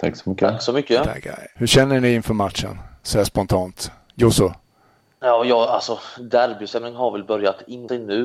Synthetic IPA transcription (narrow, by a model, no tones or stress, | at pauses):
t̪ʰa̰ksɔmʏkːəaksɔmʏkːət̪ʰa̰ka̰hɵʂɛnːəɳɪɪnfœɾmat̪ʂə̰nsɔhæspɔnt̪ʰɑːnt̪ | jʊsʊ | jɑːjɑːalsɔd̪æɾbɪsɛmnɪŋhaɾvɛlbœɾjat̪ɪnːsɛjnʉ̟ː